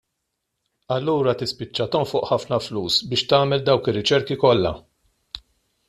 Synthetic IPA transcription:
ɐlːuːɾɐt̪ɪspɪt͡ʃːɐt̪ɔmfʊːʔħɐfnɐfluːsbɪːʃt̪ɐːmɛld̪ɐwkɪrːɪt͡ʃɛɾkikɔlːɐ̰

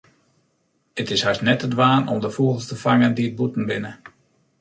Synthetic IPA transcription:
ətɪshastnɛtədʋaːnɔmdəfuəɣəlˠstəfaŋəndiət̚butn̩bɪnə

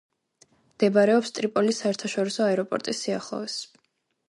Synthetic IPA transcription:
md̪̥ɛbaɾɛɔpst̪ʼɾipʼɔlisaɛɾt̪ʰaʃɔɾisɔaɛɾɔpʼɔ̰ɾt̪ʼisːiaχlˠɔ̰vɛs

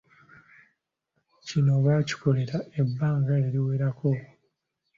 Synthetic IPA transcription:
cino̞βaːci̥ko̞le̞ɾaʔe̞bːaːŋɡae̞ɾiwe̞ːɾako̞

